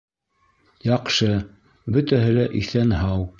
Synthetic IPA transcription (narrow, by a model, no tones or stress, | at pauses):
jɑqʃɤ | bɵt̪æɦɘlæʔiθænhɑw